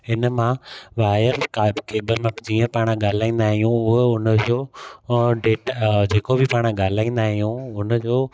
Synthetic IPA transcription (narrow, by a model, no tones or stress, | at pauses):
ɦɪnmãʋaːjəɾkakeːbəlmãd͡ʑiːə̃paːɽ̃ɠaːl̤aːĩːnd̪aːɦijũʊɦʊnəd͡ʑoː | ɖeːʈd͡ʑeːkobʱɪpaːɽ̃ɠaːl̤aːĩːn̆d̪aːɦijũʊnə̆d͡ʑoː